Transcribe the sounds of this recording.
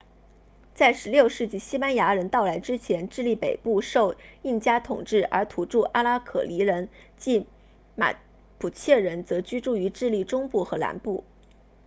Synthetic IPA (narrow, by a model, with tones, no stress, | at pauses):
t͡sa˥˩ɪʂɻ̩˧˥ljo˥˧ʊʂɻ̩˥˧t͡ɕi˥˩ɕi˥pa˥nja˧˥ɻə˧˥nt̪ɑ˥˩ʊla˧˥ɪʈ͡ʂɻ̩˥t͡ɕʰjɛ˧˥nʈ͡ʂɻ̩˥˧li˥˩pe˨˩ɪpu˥˧ʂo˥˧ʊi˥˩nt͡ɕja˥t̪ʰʊ˨˩ŋʈ͡ʂɻ̩˥˩ə̰˞˧˥t̪ʰu˧˥ʈ͡ʂu˥˩ʔa˥la˥kʰɤ̰˨˩li˧˥ɻə˧˥nt͡ɕi˥˩ | ma̰˨˩ | pʰu˨˩t͡ɕʰjɛ˥˩ɻə˧˥nt͡sɤ˧˥t͡ɕy˥ʈ͡ʂu˥˩y˧˥ʈ͡ʂɻ̩˥˧li˥˩ʈ͡ʂʊ˥ŋpu˥˩xɤ˧˥la̰˧˥npu˥˩